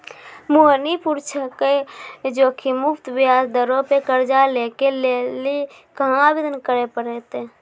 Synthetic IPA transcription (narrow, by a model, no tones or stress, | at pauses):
moɦnipuɾt͡ʃʰəked͡ʒoːkʰimʊpʰt̪bjad͡ʒd̪əɾõpekəɾd͡ʒalekeleli | kəɦãbid̪ənkəɾepəɾet̪e